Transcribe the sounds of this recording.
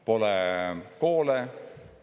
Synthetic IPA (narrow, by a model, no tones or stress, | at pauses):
po̞lɛko̞ːle